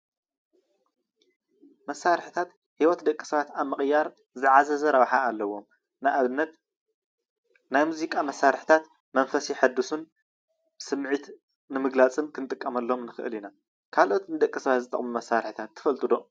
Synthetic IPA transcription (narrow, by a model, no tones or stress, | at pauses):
mɐsːaɾħt̪ʰat̪ | hiwɔt̪d̪ɐkʼːi̥sɐβat̪aβmɨχʼjːaɾ | zɨʕazɐzɐɾɐβħaːlːɐwːo̞m | nːɐ | najmuzikʼamɐsːaɾħt̪ʰat̪ | mɐnfɐsiħɨd̪ːusun | sɨmʕit̪ | nɨmɨɡlat͡sʼɨnkʰɨnt̪ʼɨkʼːɐmɐlːɐomnɨxɨ̰ʔɨlina | kʰalʔo̞t̪nɨd̪ɐkʼːɨsɐβat̪zɨt̪ʼɐ̰χʼmumɐsːaɾħit̪ʰat̪ʰːɨ̥fɐlt̪ʼɨd̪o̞